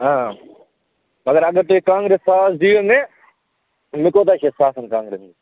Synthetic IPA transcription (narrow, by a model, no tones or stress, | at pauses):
ãː | mɐɡəɾɐɠəɾt̪oːekãːŋɡɾeːsːaːsd͡ʒiːʋənẽ | mɪkoːt̪aːʃeːsaːsənkãːŋɡɾeːsni